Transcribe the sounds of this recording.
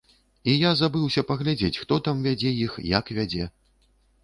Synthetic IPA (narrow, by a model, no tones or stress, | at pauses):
ijazabɨwsʲɐpɐɣlʲad͡zʲet͡sʲxt̪ɔt̪amvʲad͡zʲɛjixjakvʲad͡zʲɛ